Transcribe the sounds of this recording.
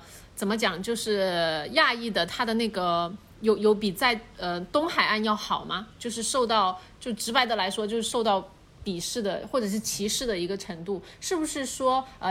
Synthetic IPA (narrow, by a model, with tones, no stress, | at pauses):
t͡sə˨˩mə˦t͡ɕjɑ˨˩ŋt͡ɕjo˥˧ʊʂɻ̩˥˩ja˥˧i˥˩d̪ə˩t̪ʰa˥d̪ə˨na˥˩ɪɡə˩ | jo˧˥ʊjo˧˥ʊpi˨˩t͡sa˥˩ɪə˧t̪ʊ˥ŋxa˨˩ɪʔa˥˧njɑ˥˩ʊxɑ˨˩ʊmɐ˦t͡ɕjo˥˧ʊʂ̬ɻ̩˥˧ʂo˥˧ʊt̪ɑ˥˧ʊt͡ɕjo˥˧ʊʈ͡ʂɻ̩˧˥pa˧˥ɪd̪ə˨˩la˧˥ɪʂwɔ˥t͡ɕjo˥˧ʊʂɻ̩˥˧ʂo˥˧ʊt̪ɑ˥˩ʊ | pi˨˩ʂɻ̩˥˩d̪ə˩xwɔ˥˩ʈ͡ʂɤ˨˩ʂ̬ɻ̩˥˩t͡ɕʰi˧˥ʂɻ̩˥˩d̪ə˩i˧˥ɡə˧ʈ͡ʂʰɤ˧˥ŋt̪u˥˩ | ʂɻ̩˥˩bu˩ʂɻ̩˥˩ʂwɔ˥ə˧